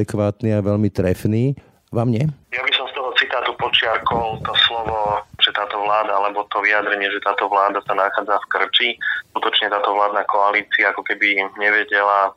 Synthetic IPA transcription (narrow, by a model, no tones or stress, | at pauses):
ɛkʋaːt̪niaʋɛʎmit̪ɾɛfniː | ʋamɲɛjabisɔmst̪ɔɦɔt͡sit̪aːt̪upɔt͡ʃɪakɔlt̪ɔslɔʋɔʒ̥ɛt̪aːt̪ɔʋlaːd̪aalɛbɔt̪ɔʋiad̪ɾɛɲɪɛʒɛt̪aːt̪ɔʋlaːd̪asanaxaːd͡zafkr̩t͡ʃiskut̪ɔt͡ʃɲɛt̪aːt̪ɔʋlaːd̪nakɔaliːt͡siaakɔkɛbiɲɛʋɛɟɛla